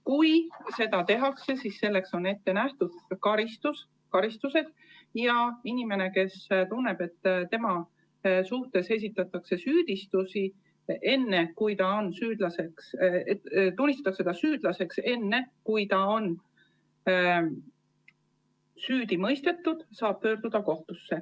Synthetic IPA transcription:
kujse̞d̪ɑt̪e̞ɦɑkse̞sisːe̞lːe̞kso̞ne̞t̪ːe̞næht̪ud̪̥kɑɾist̪us | kɑɾist̪use̞d̪̥ | jɑinime̞ne̞ke̞st̪unːe̞b̥e̞t̪ːt̪e̞mɑ | suht̪e̞se̞s̬ʲit̪ːˑɑt̪ːˑɑkse̞syːd̪̥ist̪usi | ʔe̞nːe̞kujt̪ɑo̞nsyːd̪̥lɑse̞ks | t̪unːist̪ɑt̪ɑksed̪̥ɑsyːd̪̥lɑse̞kse̞nːe̞kujt̪ɑo̞n | syːd̪̥imɤjst̪e̞t̪ːud̪̥sɑːb̥̚pø̞ːrd̪̥ud̪̥ɑko̞ht̪usːe̞

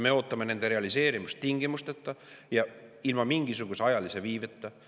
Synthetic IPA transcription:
me̞o̞ːt̪ːˑɑme̞ne̞nd̪̥e̞ɾe̞ɑlise̞ːɾimust̪ːiŋɡ̥imust̪et̪ːˑɑ | jɑilmɑmiŋɡisuɡ̥useɑjɑlise̞viːvet̪ˑːɑ

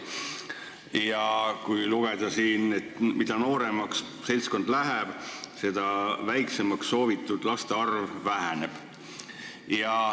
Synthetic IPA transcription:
jɑkujluɡ̥ed̪̥ɑsiːnet̪mid̪̥ɑno̞ːɾe̞mɑks | se̞lʲsko̞nd̪læɦeb̥se̞d̪̥ɑvæjkse̞mɑksːo̞ːvit̪ːˑud̪̥lɑst̪eɑrvːæɦæneb̥ | jɑ

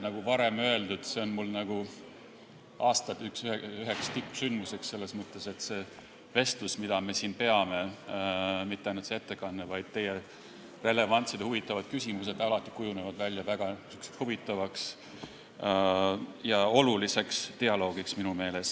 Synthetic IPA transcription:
nɑɡ̥uvɑɾe̞mø̞e̞ld̪ud̪̥se̞o̞nmulːnɑɡ̥u | ʔɑːst̪ɑt̪yksyɦe̞kst̪ipːˑsynd̪muse̞ksse̞lːe̞smɤt̪ːˑe̞se̞t̪se̞ | ve̞st̪lusmid̪̥ɑme̞siːnpe̞ɑme̞ | mit̪ːˑeɑjnult̪seet̪ːe̞kɑnːevɑjd̪̥̚t̪e̞je | re̞le̞vɑnt̪sid̪̥huvit̪ːˑɑvɑd̪̥kysʲimus̬e̞d̪ɑlɑt̪ˑːi̥kujune̞vɑd̪vælʲjɑvæɡ̥ɑsykshuvit̪ːˑɑvɑks | jɑo̞lulise̞kst̪e̞ɑlo̞ːɡiksminume̞ːle̞s

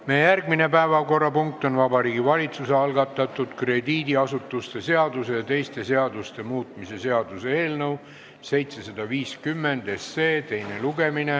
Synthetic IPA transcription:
mejjærɡ̥mine̞pæevɑko̞rːɑpuŋk̚t̪ˑo̞nvɑbɑɾiːɡivɑlʲit̪suseɑlɡɑt̪ːˑɑt̪ːˑud̪̥kre̞d̪iːd̪iɑsut̪ːˑust̪e̞se̞ɑd̪̥use̞jɑt̪e̞jst̪e̞se̞ɑd̪ust̪e̞muːt̪ˑmise̞se̞ɑd̪̥use̞e̞ːlnɤw | se̞jt̪se̞sɑd̪̥ɑviːskymːe̞nd̪̥e̞se̞ːt̪e̞jne̞luɡe̞mine̞

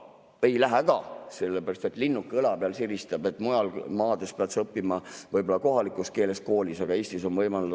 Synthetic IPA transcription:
ejlæɦæɡ̥ɑse̞lːebeɾɑst̪e̞t̪ˑlinːukːˑɯlɑpeɑlsiɾist̪ɑb̥e̞t̪ːˑmujɑlmɑːd̪espeɑt̪sɤpːimɑvɤjbo̞lːɑko̞ɦɑlikːˑuske̞ːle̞sko̞ːlʲisɑɡ̥ɑe̞ːst̪iso̞nvɤjmɑlu

